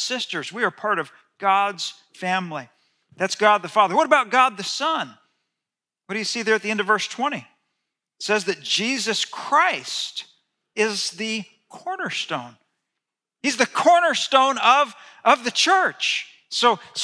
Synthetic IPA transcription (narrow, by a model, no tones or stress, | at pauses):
sɪstə˞zwiə˞pʰɑɹɾʌv | ɡ̥ɑdz̥ | fæ̃mli | ðætsɡ̥ɑd̪̚ðəfɑðə˞wʌɾəbaʊt̚ɡ̥ɑd̪̚ðɨsʌ̃n | wʌt̚d̥ɨjɨsiðə˞ɨt̪̚ðiɛ̃ndʌvɜ˞stʰw̥ɛ̃ɾ̃i | tsɛzðɨt̚d̥ʒ̥izɨskʰɹ̥aɪst | ɪzðɨ | kʰɔɹnə˞stõʊ̃n | hizðɨkʰɔɹnə˞stõʊ̃nʌvʔʌvðɨt͡ʃʰɜ˞t͡ʃ | soʊs